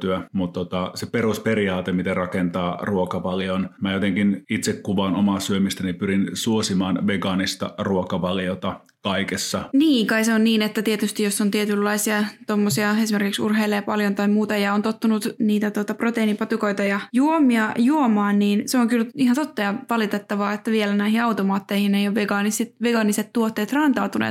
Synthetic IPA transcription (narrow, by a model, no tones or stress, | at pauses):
t̪yæmut̪t̪ot̪ɑseperusperiɑːt̪emit̪erɑkent̪ɑːruokɑʋɑljonmæjot̪eŋkinit̪sekkuʋɑːnomɑːsyømist̪ænipyɾinsuosimɑːnʋeɡɑnist̪ɑ̰ruokɑʋɑljot̪ɑ | kɑikesːɑniːŋkɑiseonniːnet̪ːæt̪iet̪yst̪ijjosːont̪iet̪ylːɑisiɑt̪omːosiɑesimerkiksṵrɦeilːejɑpɑljont̪ɑimuːt̪ɑjɑont̪ot̪ːunut̪niːt̪æt̪uot̪ɑprot̪einipɑt̪ukoit̪ɑjɑjuomiɑjuomɑːnniːnseoŋkylihɑnt̪ot̪ːɑjɑʋɑlit̪et̪ːɑʋɑːet̪ːæʋielænæihiɑwt̪omɑːt̪ːeihinejjoʋeɡɑːnisit̪ʋeɡɑːniset̪t̪ːuot̪ːeːt̪rɑːnt̪ɑːt̪unḛ